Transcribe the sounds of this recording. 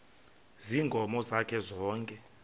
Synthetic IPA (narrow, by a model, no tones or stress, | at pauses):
ziŋʱɔmɔzakʰɛzɔːŋkʼɛ